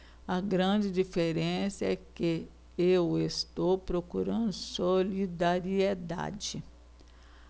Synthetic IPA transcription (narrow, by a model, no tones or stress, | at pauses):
ɐɡɾɐ̃d͡ʒɪd͡ʒifeɾẽsɐɛkɪ | ewest̪owpɾokuɾɐ̃nd̪ʊsolid̪aɾied̪a̰d͡ʒɪ